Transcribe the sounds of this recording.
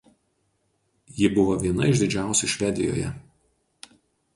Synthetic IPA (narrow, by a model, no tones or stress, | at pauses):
jɪbʊʋoʋʲiɛnɐ̰ɪʒd̪ʲɪd͡ʒʲæˑʊsʲuʃʲʋʲɛd̪ʲɪ̰jo̰ːjɛ̰